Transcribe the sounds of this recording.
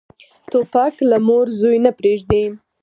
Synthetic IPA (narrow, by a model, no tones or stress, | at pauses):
t̪opaklamoɾzojnapɾeʒd̪e